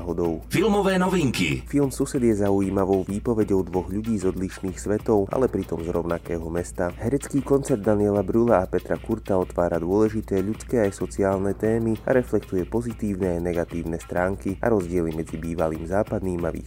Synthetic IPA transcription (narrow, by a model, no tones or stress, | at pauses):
ɦɔd̪ɔʊfilmɔʋɛːnɔʋiŋkḭfilˠmsusɛd̪ɪjɛzaujiːmaʋɔʊʋiːpɔʋɛɟɔʊd̪ʋɔɣʎuɟiːzɔd̪liʃniːxsʋɛt̪ɔʊa̰lɛpɾit̪ɔmzɾɔʊnakɛːɦɔmɛst̪aɦɛɾɛt͡skiːkɔnt͡sɛɾd̪ːaniɛlabɾulaapɛt̪ɾakuɾt̪aɔt̪ʋaːɾad̪ʊɔlɛʒit̪ɛːʎut͡skɛːajsɔt͡siaːlnɛt̪ɛːmia̰ɾɛflɛkt̪ujɛpɔzit̪iːʊnɛajnɛɡat̪iːʊnɛst̪ɾaːŋkiʔa̰ɾɔzɟɪɛlimɛd͡zibiːʋaliːmzaːpad̪niːmaʋḭː